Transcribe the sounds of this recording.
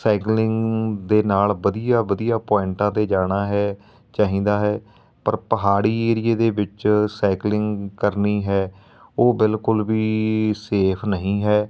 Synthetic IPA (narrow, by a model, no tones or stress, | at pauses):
sɛːklɪŋɡd̪eːnaːlʋəd̪ijaːʋəd̪ijaːpɔːɪɳʈãːt̪eːd͡ʒaːɽ̃aːɦɛː | t͡ʃaːɦĩːd̪aːɦɛː | pəɾpəɦaːɽiːeːɾɪeːd̪eːʋɪt͡ʃsɛːklɪŋɡkəɾniːɦɛː | oːbɪlkʊlʋiːseːpʰnəɦĩːɦɛː